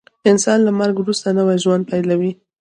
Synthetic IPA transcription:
ɪnsɑnlamaɾɡwɾust̪anəwajʒwand̪̚pajlawi

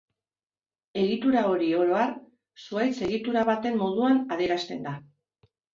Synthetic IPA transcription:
e̞ɣit̪uɾao̞ɾio̞ɾo̞ar | suajt͡se̞ɣ̞it̪uɾaβat̪e̞mːo̞ð̞uanaðe̞ɾast̪e̞nd̪a

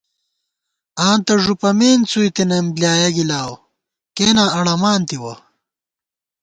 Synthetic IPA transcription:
aːnt̪ɐʐupɐmeːnt͡sujt̪enɐmbljaːjɐɡilaːw | keːnaɐɽɐmaːnt̪iwɐ̰

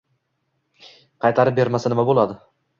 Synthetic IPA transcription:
qʰɑjt̪ʰaɾɪp̚be̞ɾmasanɪmabolˠad̪ɪ

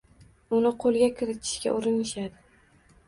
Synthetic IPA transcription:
ʊnɪqʰolˠɡʲakʲʰɪɾɪt̪ʰɪ̥ʃkʲa̰ʔʊɾɪnɪʃad̪ɪ

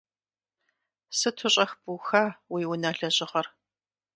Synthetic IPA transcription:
sɨtʰʊɕʼɐxbuxaːwiːwʊnaːɬɐɕʼɪʁɐr

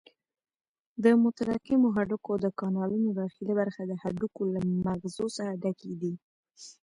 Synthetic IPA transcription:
d̪əmʊt̪aɾaqɪmoɦaɖukod̪əkɑnɑlunoɾaxilabaɾxad̪əhaɖukolamaɣzosaɾaɖaked̪i

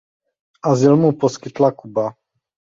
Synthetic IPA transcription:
azilmupɔskit̪lakuba

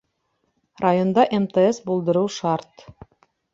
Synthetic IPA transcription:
rajo̞nd̪ɑʔemt̪eesbulˠd̪ɤ̆ɾɤwʃɑɾt̪

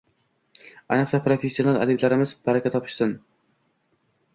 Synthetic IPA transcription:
æjnɨqsɛpɾofesːijonɑlˠæ̰d̪ɪblæɾɪmɪzbæɾɛkʲʰɛt̪ʰːɑpʰɨ̥ʃsɨn

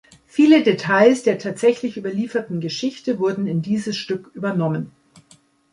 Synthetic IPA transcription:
fiːlədetʰaɪlsd̥eːɐtʰaːtz̥ɛçlɪçʔyːbɐliːfɐtn̩ɡəʃɪçtəvʊɐdn̩ɪndiːzəsʃtʏkʔyːbɐnɔmən

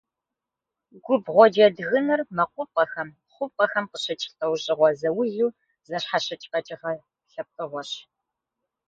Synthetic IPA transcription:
ɡʷʊbʁʷɔd͡ʒɐdɣɨnɐrmɐqʷʊp̚ʼɐxɐm | χʷʊp̚qʼɐxɐmqəɕɐt͡ʃʼtɐwɕʼɪʁʷɔzɐwʊjuː | zɐɕħaɕɐt͡ʃʼqɐt͡ʃʼɪʁɐ | ɬɐp̚qʼɨʁʷɔɕ

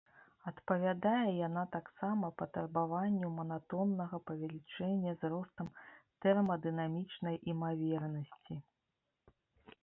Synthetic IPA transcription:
ɐt̪pɐvʲad̪ajɛjanat̪aksamɐpɐt̪ɐrbavanʲːumɐnat̪ɔnːɐɣɐpɐvʲɛlʲit͡ʂɛnʲːɐzrɔst̪ɐmt̪ɛrmɐd̪ɨnamʲit͡ʂnɐjʔimavʲɛrnɐsʲt͡sʲi

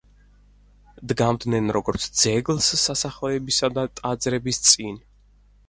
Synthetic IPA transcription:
d̪ɡamd̪nɛnɾɔɡɔɾt̪sʰd̪z̥ɛɡlˠsːasaχɔɛbisad̪at̪ʼad̪zɾɛbist̪sʼin

